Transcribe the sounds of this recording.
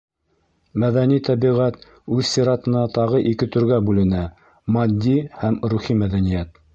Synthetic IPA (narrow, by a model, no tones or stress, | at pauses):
mæðænit̪ɑβiʁæt̪ | ʉðsiɾɑt̪ɤ̆nɑt̪ɑʁɤʔikɘt̪ɵ̆ɾɡæbʉlɘ̆næ | mɑd̪ʲːihæmɾuχimæðænijæt̪̚